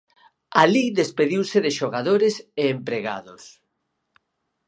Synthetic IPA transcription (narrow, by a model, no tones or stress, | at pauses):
aliðespeðiwsɪðɪʃoɣaðoɾɪseːmpɾeɣa̰ðʊs